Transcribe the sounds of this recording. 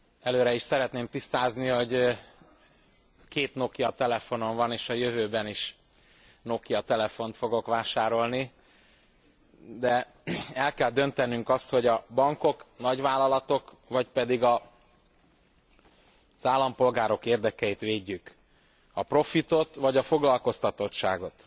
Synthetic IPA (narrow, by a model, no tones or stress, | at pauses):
ɛløːɾɛiʃsɛɾɛt̪neːmt̪ist̪aːzniɦo̞ɟ | keːt̪no̞kijɒt̪ɛlɛfo̞no̞ɱvɒneːʃɒjøvøːbɛniʃ | no̞kijɒt̪ɛlɛfo̞nt̪fo̞ɡo̞kʋaːʃaːɾo̞lni | d̪ɛ | ɛlkɛld̪ø̞nt̪ɛnyŋkɒst̪ho̞ɟɒbɒŋko̞knɒɟʋaːlːɒlɒt̪o̞kvɒcpɛd̪iɡɒ | z̥aːlːɒmpo̞lɡaːɾo̞keːrd̪ɛkɛjit̪ʋeːɟːyk | ɒpro̞fit̪o̞t̪ʋɒɟɒfo̞ɡlɒlko̞st̪ɒt̪o̞tʃa̰ːɡo̞t̪